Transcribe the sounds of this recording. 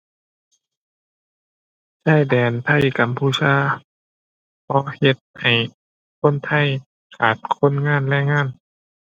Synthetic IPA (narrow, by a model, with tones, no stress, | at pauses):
saː˧˥˨jdɛː˨˩nt̪ʰa˧˥˩jka˧˦mpʰuː˧˩t͡ɕʰaː˧˨ | kʰɔː˧˦he˧t̪̚ha˨˩j | kʰo˧˥˨nt̪ʰa˧˥˩j | kʰaː˨˩t̪̚kʰo˧˥˨nŋaː˧˥˨nlɛː˧˥˨jŋaː˧˥˨n